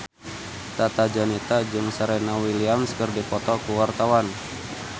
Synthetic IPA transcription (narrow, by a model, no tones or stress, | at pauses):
t̪at̪ad͡ʒanit̪ad͡ʒɨŋsaɾɛnawiliamskərdipɔt̪ɔkuwart̪awan